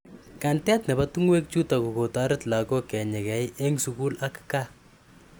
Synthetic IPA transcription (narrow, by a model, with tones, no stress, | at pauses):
ka˨ntɛ˦tnɛ˨batu˦ŋwe˦k̚t͡ʃu˦ta˨ku˨ko˨ta˦ɾɪtla˨kɔ˦kɛ˨ɲɛ˨kɛ˨jʔe˦ŋsuku˦la˦kka˦